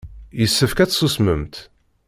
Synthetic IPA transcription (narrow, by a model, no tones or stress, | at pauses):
jəsːəfkæt͡ssusmə̰mt̪